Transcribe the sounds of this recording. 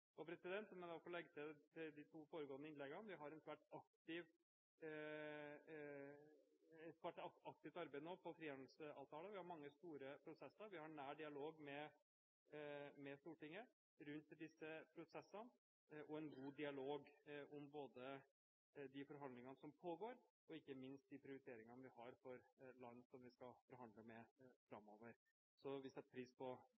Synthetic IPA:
ɔpʰɾɛsɪd̪ɛnt̪mɛɛfɔlɛɡːt̪ʰt̪ʰɪld̪ɪt̪ʰuːfoːɾəɡoːənəɪnlɛɡːənʋɪɦɑɾɛnsʋæːʈɑk̚t̪ɪʋ | ɛt̪sʋæʈɑɑk̚t̪ɪft̪ɑɾbeɪd̪ənoːpʰɔfɾiːɛnl̩səɑːʋt̪ʰɑːləʋɪhɑɾmɑŋːəst̪uːɾəpʰɾʊsɛsːəɾʋɪhɑɳæːɖɪɑloːɡmɛ | mɛst̪uːʈɪŋːə | ɾʉnt̪d̪ɪsːəpʰɾʊsɛsːən | ʔɔɛnɡuːd̪ɪɑloːɡʔʊmboːd̪ə | d̪ɪfɔɾɦɑnd̪lɪŋɑnəsɔmpʰoːɡoːɾ | ɔɪkːəmɪnst̪̚d̪ɪpʰɾɪʊɾɪt̪ʰeːɾɪŋɑnʋɪhɑɾfɔɾlɑnːsɔmʋɪskɑfɔɾɦɑnd̪ləmɛfɾɑmːoːʋəɾ | sɔʋɪsɛt̪ːəpʰɾiːspʰɔ

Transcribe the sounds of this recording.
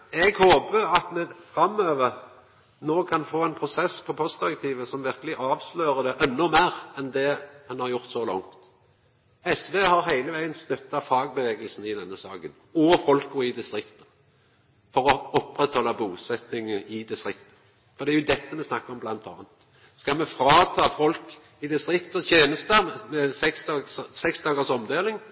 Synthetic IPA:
ɛɡhoːbəɑt̪mɛfɾɑmːøːʋəʁ | noːkʰɑnfoːɛnpʰʁʊsɛspʰɔpʰɔsd̪ɪʁɛk̚t̪ʰiːʋəsɔmʋɪʁkəlɪʔɑːʋsløːʁəd̪ɛʔɛnːʊmeːʁɛnd̪ɛhɑnhɑʁjʊʁt̪sɔlɔ̰ŋt̪ | ɛsʋeːhɑʁɦæɪləʋæɪənst̪œt̪ːɑfɑːɡ̚bəʋeːɡəlsn̩ɪd̪ɛnːəsɑːɡən | ɔfɔlkːɔɪd̪ɪst̪ɾʁɪkt̪ə̥ | fɔʁɔɔpːʁɛt̪hɔlːɑbuːsɛt̪nɪŋəɪd̪ɪst̪ʁɪkt̪ə̥ | fɔʁd̪ɛæjʊd̪ɛt̪ːəmɛsnɑkːəɔmblɑnt̪ʰɑ̰ːnt̪ | skɑmɛfɾɑːt̪ʰɑːfɔlk | ɪd̪ɪst̪ʁɪkt̪ət̪ʰjeːnəst̪əmɛsɛkst̪ɑɡssɛksd̪ɑːɡəʁsɔmd̪eːlɪŋ

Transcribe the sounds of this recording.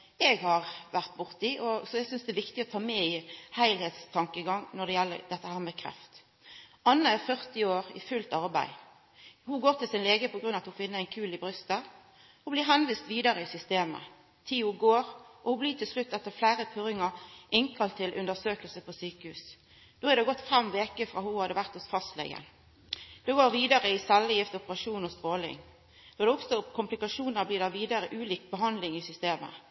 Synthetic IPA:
ɛɡhɑʁʋæʁt̪̚bʊʁt̪iʔɔsɔɛɡsʏnsd̪ɛʋɪkt̪ɪɔt̪ʰɑːmɛɪhæɪlhɛːt̪st̪ʰɑŋkəɡɑŋnɔd̪ɛjɛlːə̰ɾd̪ɛt̪ːəhæːɾmɛkʰʁɛ̰ft̪ | ɑnːəæɾfœʁt̪ɪoːʁɪ̰fʉlt̪ɑʁbæ̰ɪ | hʊɡoːɾt̪ɪlsɪnleːɡəpʰɔɡɾʁʉnɑt̪hʊfɪnːəæɪnkʰʉːlɪbʁʏst̪ə | hʊblɪɦɛnʋiːst̪ʋiːd̪ɑʁəɪsʏst̪eːmə̰ | t̪ʰiːʊɡoːʁʔɔhʊbliːt̪ʰɪlslʉt̪ːɛt̪ːəʁflæːʁəp̪ʰʉɾɪŋəʁʔɪŋkʰɑlt̪ʰːɪlʔʉ̰nd̪əsøːkəlsəpʰɔsyːkəhʉːs | d̪̥oːæʁd̪ɛɡɔt̪ːfɛmʋeːkəfʁɑːhuhɑd̪əʋæʁt̪ʊsfɑst̪lɛ̰ɡə̰n | d̪̥oːɡoːʁʋiːd̪ɑʁəɪsɛlːɪjɪft̪ɔpəʁɑʂuːnɔst̪ʁoːlɪ̰ŋ | d̪̥oːd̪ɛɔkst̪ɔkʰʊmplɪkɑʃuːnəbliːɾd̪ɑʋiːd̪ɑɾəʔʉːliːk̚bəɦɑnd̪lɪŋɪsʏst̪eːmə̰

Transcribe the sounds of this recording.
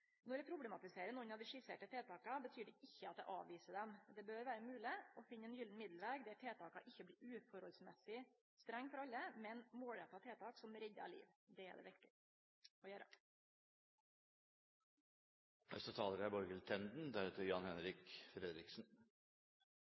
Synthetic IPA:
nɔɾjæɪpʰɾʊb̪ɛmɑt̪ɪseːɾənɔnɑʋd̪ɪʂɪsḛːʈət̪ʰeːt̪ʰɑːkɑbət̪ʰyːɖɛʔɪçːəɑt̪̚d̪ɛ̰ʔɑ̰ːʋʋiːsəd̪ɛmd̪ɛbøːɾʋæːɾəmʉːlɪɔfɪnːəɛnjʏlnmɪd̪lʋeːɡd̪ɛæʈʰeːt̪ʰɑːkɑʔɪçːəbliːʉːfɔɾhɔlsmɛsɪ | st̪ɾæŋːfɔɾɑlːəmɛnmoːɭɛt̪ɑt̪ʰeːt̪ʰɑːksɔmɾɛɟ̪əɑ̰lḭːʋd̪ɛæ̰ɖɛ̰ʋɪɾt̪ɪ | ɔjøːɾə̰ | nɛ̰sət̪ʰɑːləɾæbɔɾɡəlt̪ʰɛnd̪nd̪æɾɛt̪ʰɪɾjɑnhɛnɾɪkfɾɛd̪ɾɪksn̩

